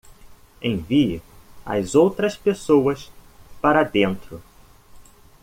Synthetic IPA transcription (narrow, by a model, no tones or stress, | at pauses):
ẽj̃viɪɐ̰zowt̪ɾɐspesowɐspaɾɐd̪ẽnt̪ɾʊ